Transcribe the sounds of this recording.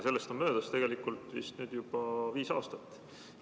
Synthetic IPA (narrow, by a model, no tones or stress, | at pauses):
se̞lːest̪ommø̞ːd̪̥ɑst̪e̞ɡe̞likˑult̪ˑvḭst̪nyːd̪̥jub̥ɑviːsɑ̰ːst̪ɑt̪ːˑ